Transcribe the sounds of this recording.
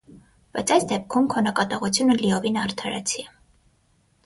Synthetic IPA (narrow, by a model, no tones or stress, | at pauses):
b̥ɑjt͡sʰɑjsd̪ɛp̚kʰumkʰɔnɑkɑt̪ɑʁut͡sʰjunəliɔvinɑɾt̪ʰɑɾɛ̰t͡sʰiɛ